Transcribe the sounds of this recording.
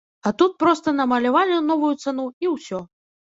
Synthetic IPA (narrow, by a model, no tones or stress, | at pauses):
ɐt̪ut̪̚pɾɔst̪ɐnɐmɐlʲavalʲɪnɔvujut̪sanuiwsʲɔ